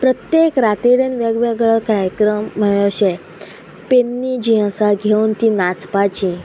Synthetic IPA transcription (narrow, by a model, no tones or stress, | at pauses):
pɾət̪jekɾat̪iɽenʋɛɡʋɛɡɭəɭkaɾjəkɾəmːəjoɕe | penːid͡ʑiãsaɡʱeunt̪inat͡spat͡ɕi